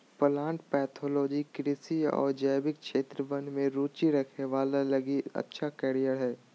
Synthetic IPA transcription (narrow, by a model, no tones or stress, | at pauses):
pəlãːɳʈpɛːt̪ʰoːlɔːd͡ʒikɾɪsiɔ̰ːɾd͡ʒəːbɪk̚ʃeːt̪ɾəbə̃nmẽɾuːt͡ʃiɾɐkʰneʋaːlalɐɡiɐ̰tːʃʰakɛːɾijəɾɦɛː